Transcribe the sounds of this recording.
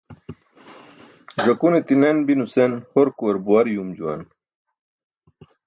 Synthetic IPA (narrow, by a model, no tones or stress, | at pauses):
ʐɐkunit̪inenbinusenhoɾkuɐɾbuwaɾjumd͡ʑuwɐ̰n